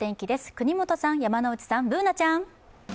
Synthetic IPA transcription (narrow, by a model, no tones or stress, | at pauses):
t̪ẽ̞ŋkʲid̪e̞sɨ̥kɯ̟ɲ̟imo̞t̪o̞sãɰ̃jamano̞ɯ̟t͡ɕi̥sãmbɯ̟ːnat͡ɕãŋ